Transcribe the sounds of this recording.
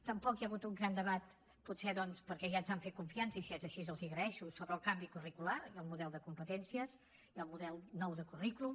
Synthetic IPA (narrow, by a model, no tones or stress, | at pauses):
t̪əmpɔkjəɣut̪uŋɡɾand̪əβat̪ | putseðɔnspəɾkɛʒanzaɱfet̪̚kuɱfiansəisiɛzəʃizəlˠziɣɾəɛʃusoβɾəːlˠkambikurikulaɾiəlˠmuðɛlˠd̪əkumpət̪ɛnsiəz | iəlˠmuðɛlˠnɔwðəkuriklum